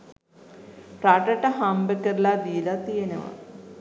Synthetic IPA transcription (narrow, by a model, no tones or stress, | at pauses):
pɾaʈəʈəɦambəkəɾlad̪ijelat̪ijenə̰ʋa̰